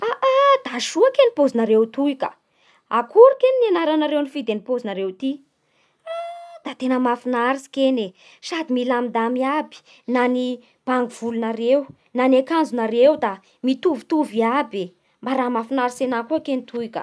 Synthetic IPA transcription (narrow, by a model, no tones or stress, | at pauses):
aʔad̪̥aʃuakenipozinəɾewt̪uikə̰ | akuɾukeninianaɾanaɾewnifid̪enipozinəɾewt̪i | ad̪̥at̪enəmafinaɾisi̥kene | sad̪imilamid̪amiabi̥ | nani | b̥aŋɡuv̥ulunaɾew | nanekand͡zunaɾewd̪a | mit̪uvit̪uviabe | mbaɾamafinaɾisenakuakenit̪ʰuikə̰